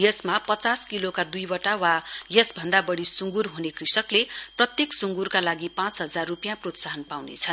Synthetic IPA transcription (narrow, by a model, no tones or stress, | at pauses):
jʌsmapʌt͡saskilokad̪ujbʌʈawajʌsbʱʌnd̪abʌɽisuŋɡurɦunekrisʌkleprʌt̪jeksuŋɡurkalaɡipãt͡sɦʌd͡zarːupjãprot̪saɦʌnpawnḛt͡sʰʌn